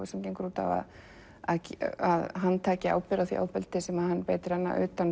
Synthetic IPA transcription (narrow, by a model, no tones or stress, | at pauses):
ɪsɛmcejŋkɾuːt̪a̰va̰ð | a̰aðɦanːt̪ʰaːcɪa̰ːwpɛɾaθḭa̰ːwpɪlt̪ɪsɛmaðhanːpeːjt̪ɪɾɛnːa̰ʔʏ̰ːt̪an